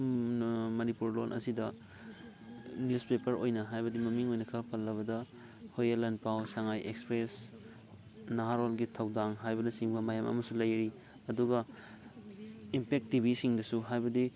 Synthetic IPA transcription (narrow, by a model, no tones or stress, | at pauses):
mɐnipuɾlonʔɐ̰sidɐ | njuspepɐɾo̰jnɐɦajbɐdimɐmiŋojnɐkʰɐpʰɐlːɐβɐdɐ | hojɐlɐnpawsaŋajʔekspɾes | naɦaɾolɡitʰɐwdaŋɦajbɐnɐsiŋbɐmajamɐ̰mɐsulɐjɾi | ɐduɡɐ | impek̚tibisiŋdɐsuɦajbɐdi